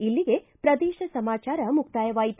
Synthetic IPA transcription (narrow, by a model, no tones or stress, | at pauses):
ilːiɡe | pɾɐd̪ɛːʃɐsɐmaːt͡ʃaːɾɐmukt̪aːjɐʋaːjit̪